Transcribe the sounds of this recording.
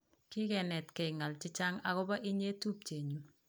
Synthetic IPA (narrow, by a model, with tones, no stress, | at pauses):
kɪ˦kɛ˨nɛ˨tkɛ˨ŋa˨lt͡ʃɪ˦t͡ʃa˦ŋa˨kɔ˦ba˦ʔɪ˦ɲe˦tu˦p̚t͡ʃeː˨ɲu˨